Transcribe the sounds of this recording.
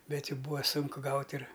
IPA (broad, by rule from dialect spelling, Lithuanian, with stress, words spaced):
ˈbʲɛt ˈjuː ˈbuːʋɐ ˈsʊŋkʊ ˈɡɐʊtʲ ɪr